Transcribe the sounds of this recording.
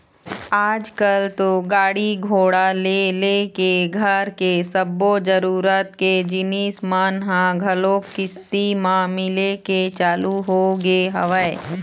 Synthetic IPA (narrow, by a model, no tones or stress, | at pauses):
aːd͡ʒkəlt̪oɡaːɽiɡʱoːɽalelekeɡʱəɾkesəbːod͡ʒəɾuːɾət̪ked͡ʒɪniːsmaːnɦãɡʱɐloːkːɪst̪imãmɪleket͡ʃaːluɦoɡeɦɐʋəe